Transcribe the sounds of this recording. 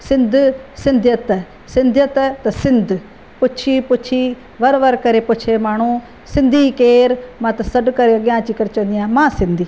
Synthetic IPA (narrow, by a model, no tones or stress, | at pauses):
sɪnd̪sɪnd̪jət̪ | sɪ̃nd̪jət̪t̪sɪnd̪ | pʊʃʰiːpʊt͡ʃʰiː | ʋəɾʋəɾkəɾeːpʊt͡ʃʰeːmaːɳ̃ũː | sɪnd̪iːkeːɾmãt̪səɖkəɾeːəɡjãːt͡ʃiːkəɾt͡ʃənd̪ijãːmãːsɪ̃nd̪iː